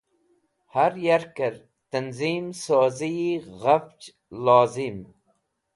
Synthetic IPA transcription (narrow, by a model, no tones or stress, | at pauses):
haɾjaɾkɐɾ | t̪ɐnzimsoːziiɣaft͡ʃ | laːzim